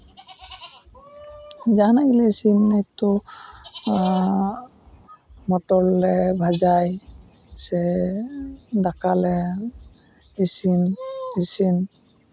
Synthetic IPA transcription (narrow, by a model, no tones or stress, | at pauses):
d͡ʒanaɡilɛsinːɛt̪ɔ | mɔʈɔɾlɛbʱad͡ʒaj | sɛ | d̪akalɛ | isinisin